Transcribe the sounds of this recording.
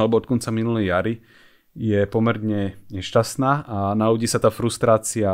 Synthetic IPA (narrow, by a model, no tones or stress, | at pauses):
alɛbɔɔt̪̚kɔnt͡saminulɛjjaɾi | jɛpɔmɛɾɲɛɲɛʃcast̪naːʔanaɔɟiːsat̪aːfɾust̪ɾaːt͡sia